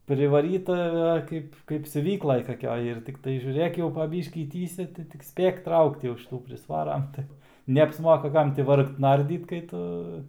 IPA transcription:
pʲrʲɪʋɐˈrʲiːtɐ ˈkɐɪp kɐɪp sʲʊˈʋʲiːklˠɐj kɐˈkʲoːj ɪr ˈtʲɪktɐɪ ʒʲuːˈrʲeːk jɛʊ pɐ ˈbʲiːʃʲkʲiː ˈtʲiːsʲɛ tɐɪ tʲɪk ˈsʲpʲeːk ˈtrɐʊkt jɛʊ ʃʲɪˈtuː pʲrʲɪsˈʋɑːrɐm tɐɪ nʲɛɐpsˈmoːkɐ ˈkɐm tʲɪ ˈʋɐrkt ˈnɐrʲdʲiːt kɐɪ ˈtʊ

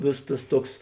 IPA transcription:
ˈʋʲeːsoːs tɐs ˈtuɔks

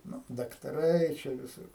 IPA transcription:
ˈnʊ dɐktɐˈrɐɪ t͡ʃʲɛ ʋʲɪˈsʊr

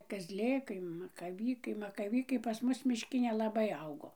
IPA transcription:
kɐzʲˈlʲeːkɐɪ mɐkɐˈʋʲiːkɐɪ mɐkɐˈʋʲiːkɐɪ pɐs ˈmʊs mʲɪʃʲˈkʲɪ nʲɛlˠɐˈbɐɪ ˈɐʊɡoː

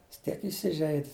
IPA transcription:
jɪs ˈtʲiɛk ɪˈsʲɪʒʲɛɪtʲ

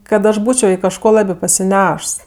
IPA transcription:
kɐt ˈɐʃ ˈbuːt͡ʃʲoː ɪ kɐʃˈkoː ˈlˠɑːbʲɪ pɐsʲɪˈnʲɛʃs

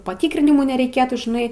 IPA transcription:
pɐˈtʲiːkrʲɪnʲɪmuː nʲɛrʲɛɪˈkʲeːtuː ʒʲɪˈnɐɪ

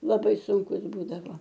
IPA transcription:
lˠɐˈbɐɪ sʊŋˈkʊs ˈbuːdɐʋoː

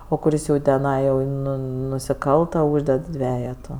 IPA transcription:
oː kʊˈrʲɪs jɛʊ tʲɛˈnɐɪ jɛʊ ˈnʊ nʊsʲɪˈkɐlˠtɐ ˈuːʒʲdʲɛt ˈdʲʋʲæːjɛtʊ

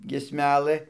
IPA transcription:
ɡʲiɛsʲˈmʲæːlˠɘ

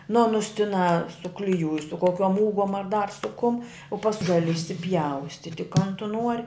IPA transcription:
nʊ ˈɑːnʊs tʲɪˈnɑː sʊklʲɪˈjuːj sʊ koːˈkʲoːm ˈuːɡoːm ɐr dɐr sʊ kʊm ʊ pɐsk ˈɡɑːlʲɪ ɪʃʲsʲɪpʲˈjɛʊsʲtʲɪtʲɪ kɐn tʊ nuɔrʲ

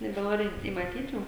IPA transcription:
nʲɛbʲɛˈnoːrʲɪ ɪ mɐˈtʲiːt ˈjuː

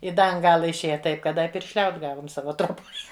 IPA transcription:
ɪ ˈdɐ ɐn ˈɡɑːlˠɐ ɪʃʲˈeːjɛ ˈtɐɪp kɐt ˈdɐ ɪ pʲɪrʲʃʲˈlʲɛʊt ˈɡɑːʋʊm ˈsɑːʋɐ troːˈboːj

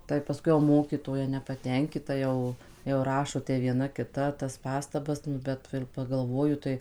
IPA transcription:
tɐɪ pɐsˈkʊɪ jɛʊ ˈmoːkʲiːtoːjɛ nʲɛpɐtʲɛŋʲˈkʲɪtɐ ˈjɛʊ jɛʊ ˈrɑːʃoː tʲɛ ʋʲiɛˈnɐ kʲɪˈtɐ tɐs ˈpɑːstɐbɐs nʊ ˈbʲɛt ʋɐ ɪr pɐɡɐlˠˈʋoːjʊ tɐɪ

